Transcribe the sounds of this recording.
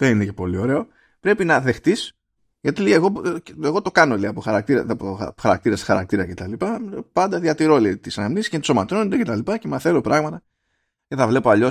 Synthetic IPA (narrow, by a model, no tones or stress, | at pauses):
ðeninece̞po̞lio̞ɾe̞o̞ | pɾe̞pinɐðe̞xt̪is | ʝɐt̪ilieɣo̞eɣo̞t̪o̞kɐno̞liɐpoxɐɾɐk̚t̪iɾɐpo̰̥xɐɾɐ̰k̚t̪iɾɐsxɐɾɐk̚t̪iɾɐce̞t̪ɐlipɐpɐnd̪ɐðʝɐt̪iɾo̞lit̪isɐnɐmnisi̥scent̪somɐt̪ɾonond̪ece̞t̪ɐlipɐce̞mɐθe̞lopɾɐɣmɐt̪ɐ | ce̞θɐvle̞poɐʎo̞s